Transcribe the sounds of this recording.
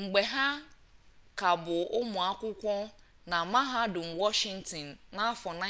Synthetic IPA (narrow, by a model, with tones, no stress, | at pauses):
ŋ͡m̩˨ɡ͡bɛ˨ɦa˦ | kʰa˨bʊ˨ʔʊ˦mɔ̃˨a˦kʷʊ˦kʷɔ̃˦ | nã˨mã˦ɦa˦dʊ˨m̩˨wɔ˦ʃɪ̃˦n˦tĩ˨nːã˦a˦fɔ˨nã˦